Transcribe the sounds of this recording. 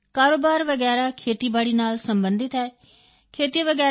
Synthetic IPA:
kaːɾoːbaːɾʋəɡɛːɾaːkʰeːt̪iːbaːɽiːnaːlsəmbənd̪ɪt̪ɦɛː | kʰeːt̪iʋəɡɛː

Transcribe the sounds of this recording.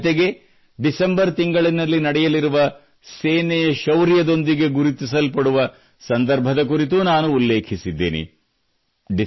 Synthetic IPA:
t̪eɡe̞ | ɖisembɐɾt̪iŋɡɐɭinɐlːinɐɽɛjɐliɾuʋɐ | seːnɛjɐʃɐwɾijɐd̪o̞nd̪iɡe̞ɡuɾut̪isɐlpɐɽuʋɐ | sɐnd̪ɐɾbʱɐd̪ɐk̬uɾit̪unaːnuːlːeːkʰisid̪ːḛːnḭ | ɖi

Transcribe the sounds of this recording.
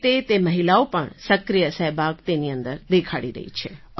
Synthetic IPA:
t̪et̪emɐɦɪlaopəɳsɐkɾijəsɛɦbaːɡt̪eniə̃nd̪əɾd̪ekʰaɽḭɾə̰ɦḭt͡ʃʰe

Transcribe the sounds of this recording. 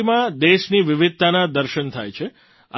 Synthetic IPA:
imãd̪eʃniʋɪʋɪd̪̚t̪anad̪əɾʃənt̪ʰa̰jt͡ʃʰe | a̰

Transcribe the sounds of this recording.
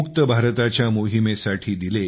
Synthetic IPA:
ukt̪əbʱaɾt̪at͡ɕjamoɦimesaʈʰiːd̪ile

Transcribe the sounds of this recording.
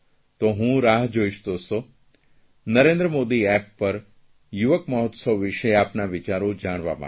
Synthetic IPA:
t̪oɦũɾaɦd͡ʒoiʃt̪oso | nəɾẽnd̪ɾəmod̪iɛpːəɾ | juʋəkməɦɔt̪səʋʋɪʃeapnaʋɪt͡ʃaɾod͡ʒaɽ̃ʋa̰ma̰

